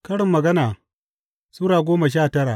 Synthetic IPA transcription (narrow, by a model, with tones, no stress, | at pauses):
kɐ˦ɽɪ˨mːɐ˨ɡɐ˦naː˨ | suː˦ɽaː˨ɡʷoː˦ma˨ʃ̬aː˦˨tɐ˦ɽaː˨ʔ